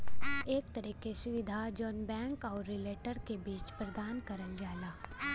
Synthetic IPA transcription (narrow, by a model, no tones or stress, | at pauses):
eːk̚t̪ɐɾiːkesʊʋɪd̪ʱad͡ʒɔːnbɛ̃ːŋkɔːɾːɪleːʈəɾkebiːt͡ʃpɾɐd̪aːnkɐɾənd͡ʒaːlaː